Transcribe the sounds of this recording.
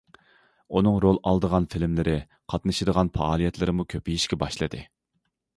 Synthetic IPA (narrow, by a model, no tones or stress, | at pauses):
unɨŋɾolˠɑlˠd̪əʁɑnfɪlmlɪɾʔɪ | qʰɑt̪nɨʃɨd̪əʁɑnfɑːlˠijɛt̪lɪɾɪmukʲʰøpijiʃkʲɛbɑʃlˠɨd̪ɨ